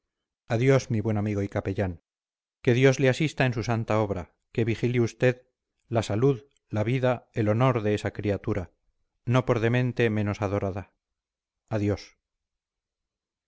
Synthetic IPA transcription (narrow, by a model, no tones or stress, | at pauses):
aðjo̞zmiβwe̞namiɣ̞o̞ikape̞ʎaŋ | ke̞ðjo̞zleasist̪aensusant̪ao̞β̞ɾa | ke̞βixiliust̪e̞ð | lasaluð | laβiðae̞lo̞no̞ɾðe̞esakɾiat̪uɾa | no̞po̞ɾðe̞mẽ̞nt̪e̞mẽ̞no̞saðo̞ɾaða | aðjo̞s